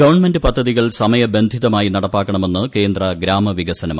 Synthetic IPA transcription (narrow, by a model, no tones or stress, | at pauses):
ɡɐʋɐɳme̞ndɨpɐd̪ʱːɐðiɣɐɭsɐmɐjɐbe̞nd̪ʱiðɐmaːjinɐɽɐpːaːkːɐɳɐme̞nːɨke̞ːnd̪rɐɡɾaːmɐʋiɣɐsɐnɐma